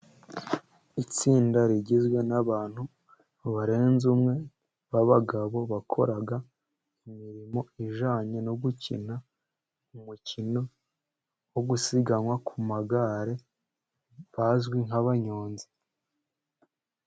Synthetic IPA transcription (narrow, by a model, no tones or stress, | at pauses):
it͡siːndaɾiɟizɡwe̞naβaːn̥hu | βaɾe̞ːnzumŋe̞ | βaβaɡaβo̞βakʰo̞̰ɾaɡa | imiɾimo̞iʒaːɲeno̞ɡucʰḭna | umucino̞ | woɡusiɡanwakʰumaɡaɾe̞ | βazɡwiŋɦaβaɲo̞ːnzi̥